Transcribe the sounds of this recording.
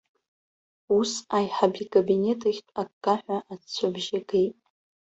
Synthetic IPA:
usajħabikʼabine̞tʰɨxʲtʷʼakkːʼaħʷaʔat͡sʷʰabʒaɡejtʼ

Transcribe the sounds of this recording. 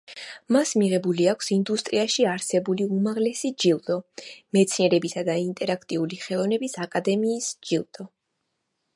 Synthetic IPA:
masmiʁɛbuliakʰsind̪ust̪ʼɾiaʃiaɾsɛbuliumaʁlɛsid͡ʒilˠd̪̥ɔmɛt̪sʰniɛɾɛbisad̪aint̪ʼɛɾakʰt̪ʼiuliχɛlˠɔvnɛbisakʼad̪ɛmiːsd͡ʒilˠd̪̥ɔ

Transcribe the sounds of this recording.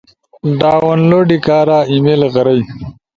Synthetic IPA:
ɖaːwonloɖikaːɾaːimelɣɐɾɐj

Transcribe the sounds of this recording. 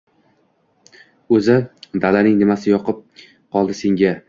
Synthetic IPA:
ɵzɪd̪alanɪŋnɪmasɪjɒqɨp̚ | qʰɒlˠd̪ɪse̞ŋɡʲa

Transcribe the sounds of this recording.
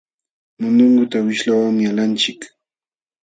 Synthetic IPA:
mʊnʊŋɡʊt̪awɪʃlawaŋmɪalant͡ʃɪk

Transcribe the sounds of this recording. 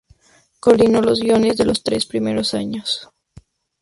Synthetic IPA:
ko̞ɾðino̞lo̞zɡjo̞ne̞zðe̞lo̞st̪ɾe̞spɾime̞ɾo̞saɲos

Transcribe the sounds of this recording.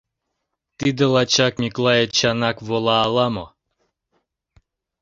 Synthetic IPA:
t̪id̪əlˠat͡ʃakmʲiklˠajet͡ɕanakvolˠaːlˠamo

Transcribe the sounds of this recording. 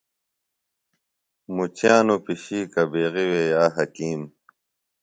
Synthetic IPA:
mut͡ɕjaːnupiɕiːkɐbeːɣiwejaːɦɐkiːm

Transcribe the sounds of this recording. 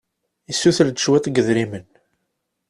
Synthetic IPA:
isːuθəld̪əʃwæt̪ˤɡəðɾimən

